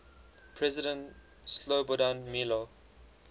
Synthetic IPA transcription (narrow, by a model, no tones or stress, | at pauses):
pʰɹɛzɪdə̃nt | slobodãnmilo